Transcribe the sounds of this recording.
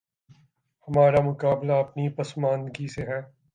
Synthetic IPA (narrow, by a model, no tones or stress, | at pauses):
hɐmaːɾamʊkaːblaɐpnipɐsmaːnɡiseɦɛː